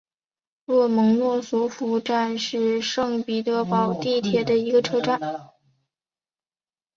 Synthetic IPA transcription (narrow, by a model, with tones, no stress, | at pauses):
lwɔ˥˩mɤ˧˥ŋnwɔ˥˩su˧˥fu˧˥ʈ͡ʂa˥˧nʂɻ̩˥˧ʂɤ˥˧ŋpi˨˩t̪ɤ˧˥pɑ˨˩ʊt̪i˥˩t̪ʰjɛ˧˩d̪ə˧i˧˥ɡə˧ʈ͡ʂʰɤ˥˧ʈ͡ʂa˥˩n